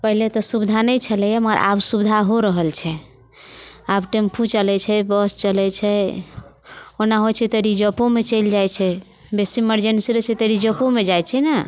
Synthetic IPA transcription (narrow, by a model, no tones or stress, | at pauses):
pəɦilet̪ɔsubid̪ʱanəjt͡ʃʰəlɛjaməɾʔa̰bsubd̪ʱaɦoɾəɦəlt͡ʃʰɛ | abʈempʰũt͡ʃəlɛt͡ʃʰɛbəst͡ʃəlɛt͡ʃʰɛ | onaɦot͡ʃʰɛt̪əɾid͡ʒəpõmet͡ʃəjld͡ʒajt͡ʃʰɛ | besiiməɾd͡ʒensiɾət͡ʃʰɛt̪əɾid͡ʒəpomed͡ʒajt͡ʃʰɛna